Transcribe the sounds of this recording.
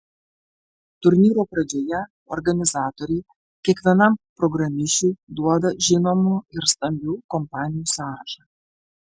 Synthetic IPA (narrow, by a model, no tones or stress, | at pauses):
t̪urʲnʲiɾopɾɐd͡ʒʲojɛ | o̰rɡɐnʲɪzɑːt̪oɾʲiː | kʲɛkʋʲɛnɑmpɾoɡɾɐmʲiʃud̪uɔd̪ɐʒʲɪnomuɪrst̪ɐmʲbʲuːkompɑnʲɪjusɑːɾɐʃɐ